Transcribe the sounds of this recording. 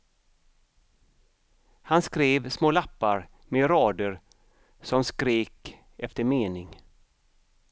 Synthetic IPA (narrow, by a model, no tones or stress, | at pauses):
hanskɾeːvsmoːlapːaɾ | meɾɑːd̪əɾ | sɔmskɾeːk | ɛft̪əɾmeːnɪŋ